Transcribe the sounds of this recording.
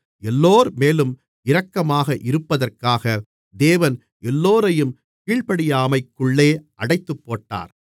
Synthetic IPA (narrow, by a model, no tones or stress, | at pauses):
ɛlːoːɾmeːlɯm | ɪɾɐkːɐmaːɣɐʔɪɾɯpːɐðɐrkaːɣɐ | d̪eːʋɐn | ʔɛlːoːɾɐjɯm | kiːɭpɐɽɪjaːmɐɪkːɯɭːeːʔɐɽɐɪt̪ːɯpːoːʈːa̰ːɾ